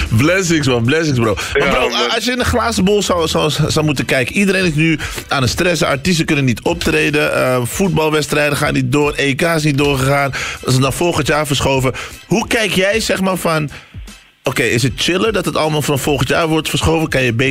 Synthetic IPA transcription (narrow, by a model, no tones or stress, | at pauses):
blɛsɪŋsbɔblɛs̬ɪŋsbroːwmafɾoɑsjəɪnəχlaːsbolˠswssɔwmutənkɛjkəidəɾenɪsnyaːnəstrɛsəa̰ɹtis̬təkɵnənːitɔp̚trejdəəfut̚bɑlˠʋɛtstrɛjdəχa̰ːnit̚doːrekaːɪs̬nit̚dʊːɹχəχaːnsəndɔnfɔlˠχəntjaːɹfəɹsχowvəhukɛjkjɛjsɛxmaːɹfɑn | okejɪs̬ət̚t͡ʃɪləɹdɑtətɑlˠəmaːlˠfɔnfɔlˠxəntjaːɹʋɔɹtfəɹsχowvəkɑnjəbe